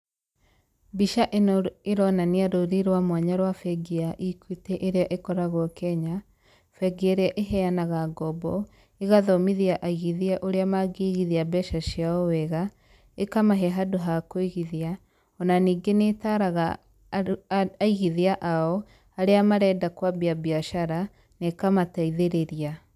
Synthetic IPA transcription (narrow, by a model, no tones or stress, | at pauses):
biʃaʔenɔeɾɔnaniaɾoɾiɾwamwaɲaɾwafɛɡiaʔikwitɛʔeɾeaʔekɔɾaɣwɔkɛɲa | fɛɡiaɾeaʔeɦɛanaɣaɡɔbɔ | eɣaðɔmiðiaʔaiɣiðiaʔoɾeamaɡeɣiðiabɛʃaʃiaɔwɛɣa | ekamaɦɛɦadoɦakoiɣiðia | ɔnaniːɡenetaɾaɣa | aiɣiðiaʔaɔ | aɾeamaɾɛdakwabiabiaʃaɾa | nekamataiðeɾeɾia